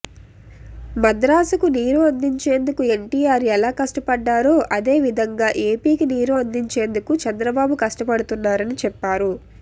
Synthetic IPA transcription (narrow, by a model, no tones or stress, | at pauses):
mɐd̪ɾaːsɐkuniːɾuɐnd̪iɲt͡ʃe̞ːnd̪ukue̞ɳʈiːaːɾɛlaːkɐʂʈɐpɐɖːaːɾoːʔɐd̪e̞ːʋid̪ʱɐŋɡaːʔe̞ːpiːkiniːɾuɐnd̪iɲt͡ʃe̞ːnd̪ukut͡ʃɐnd̪ɾɐbaːbukɐʂʈɐpɐɽut̪unːaːɾɐnit͡ʃɛpːaːɾu